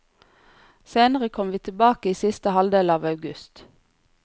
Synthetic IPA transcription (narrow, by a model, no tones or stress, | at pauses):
seːnəʁəkʰɔmʋiːt̪ʰɪlbɑːkəiːsɪst̪əhɑld̪eːlɑːʋɑʉɡʉst̪